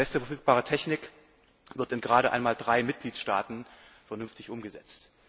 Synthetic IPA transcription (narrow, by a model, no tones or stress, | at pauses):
ɛstəfɛɐfyːk̚b̥aːʁ̞ətʰɛçnɪk | v̥ɪɐtɪnɡʁaːɾəʔa̰ɪnmaːldʁaɪmɪt̚ɡ̥liːtʃta̰ːtn̩ | fɛɐnʏnftɪçʔʊmɡəzɛt͡st